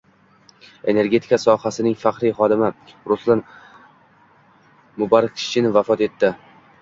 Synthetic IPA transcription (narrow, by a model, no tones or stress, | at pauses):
e̞ne̞ɾɡʲe̞t̪ʰi̥kʰasɒhasɪnɪŋfaqɾijχɒd̪ɪmɪɾʊslan | mʊbaɾqʰɪ̥t͡ʃʰɪnɪvafɒt̪e̞t̪ːɪ